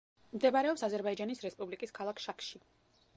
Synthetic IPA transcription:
md̪ɛbaɾɛɔpsazɛɾbaid͡ʒanisɾɛspʼublikʼiskʰalˠakʰʃakʰʃi

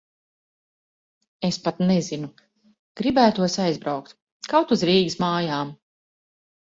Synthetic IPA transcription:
espat̪nɛzinu | ɡ̥ɾibæːt̪uɔsajzbɾawkt̪ | kawt̪uzɾiːɡismaːjaːm

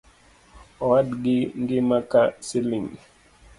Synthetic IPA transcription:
ɔwadɡiŋɡimakasiliŋ

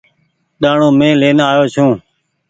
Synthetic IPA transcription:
ɗ̪aːɳõːmẽːleːnaːjoːt͡ʃʰũː

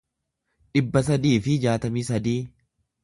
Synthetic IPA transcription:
ᶑɪbːɐs̬ɐd̪iːfɪd͡ʒaːt̪ɐmiːsɐd̪iː

